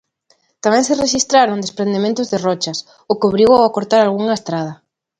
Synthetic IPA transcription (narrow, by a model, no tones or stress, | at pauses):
t̪amẽŋsereʃist̪ɾaɾond̪espɾẽnd̪emẽnt̪ʊzðerɔt͡ʃɐs | ʊkoβɾiwawakoɾt̪aɾalɣuŋaest̪ɾað̞ɐ